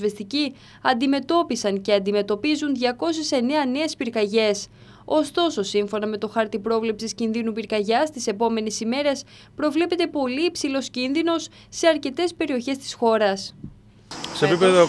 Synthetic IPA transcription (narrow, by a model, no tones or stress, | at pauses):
vest̪ici | ɐnd̪ime̞t̪o̞pisɐŋce̞ɐnd̪ime̞t̪o̞pizunðʝɐko̞s̬ese̞ne̞ɐne̞ːspiɾkɐʝe̞s | o̞st̪o̞so̞siɱfo̞nɐme̞t̪o̞xɐɾt̪ipɾo̞vle̞psiscinðinupiɾkɐʝɐst̪ise̞po̞me̞nisime̞ɾe̞s | pɾo̞vle̞pe̞t̪e̞po̞liːpsilo̞scinðino̞sː | e̞ɐɾce̞t̪e̞spe̞ɾio̞çe̞st̪i̥sxo̞ɾɐs | seepipeðo